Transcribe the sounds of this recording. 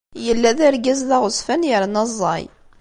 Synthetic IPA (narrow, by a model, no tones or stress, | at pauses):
jəlːæðæɾɡæzðaʁʊsfænjəɾnɑzˤːɑ̰j